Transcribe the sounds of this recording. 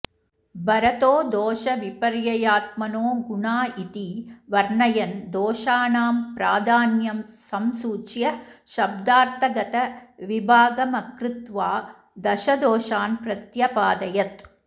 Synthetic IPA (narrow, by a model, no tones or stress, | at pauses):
bɐɾɐt̪oːd̪oːʃɐʋipɐɾjɐjaːt̪̚mɐnoːɡuɳaːit̪iʋɐɾɳɐjɐnd̪oːʃaːnaːmpɾaːd̪ʱaːnjɐmsɐmsuːt͡ʃjɐʃɐb̚d̪aːɾt̪ʰɐɡɐt̪ɐʋibʱaːɡɐmɐkɾɪt̪ʋaː | d̪ɐʃɐd̪oːʃaːnpɾɐt̪jɐpaːd̪ɐjɐt̪